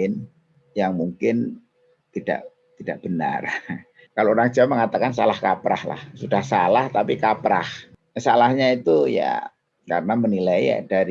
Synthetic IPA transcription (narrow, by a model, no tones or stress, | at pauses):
ɪn | jaŋmuŋkɪn | t̪id̥a̰ʔ | t̪idaʔb̥əna̰r | kalooɾaŋd͡ʒaməŋat̪akansalahkapɾa̰hla̰hsudahsalaht̪apikapɾa̰h | salahɲait̪uja̰ | kaɾənamənilaia̰d̥aɾ